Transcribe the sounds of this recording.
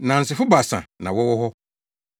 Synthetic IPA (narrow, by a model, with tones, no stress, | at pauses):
nã˨n̩˨sɪ˨fʊ˦ba˨sã̰˨nã˨wɔ˦wɔ˦hɔ˦